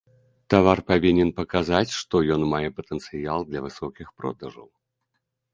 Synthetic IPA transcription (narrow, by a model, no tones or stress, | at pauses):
t̪avarpavʲinʲɛnpɐkazat͡sʲʂt̪ɔjɔnmajɛpɐt̪ɛnt̪sɨjalˠd̪lʲɐvɨsɔkʲixpɾɔ̰d̪ɐʐɐ̰w